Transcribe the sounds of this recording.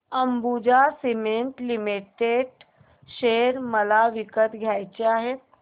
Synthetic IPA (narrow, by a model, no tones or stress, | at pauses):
əmbud͡ʑasimeɳʈlimiʈeɖ | ʃeɾməlaʋikət̪ɡʱjajt͡ɕeaɦe